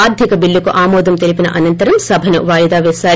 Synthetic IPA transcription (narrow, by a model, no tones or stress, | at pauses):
aːɾd̪ʱikɐbilːukuʔaːmɔːd̪ɐmt̪elipinɐ̰ʔɐnɐnt̪ɐɾɐmsɐbʱɐnṵʋaːjɐd̪aːʋɛːsaː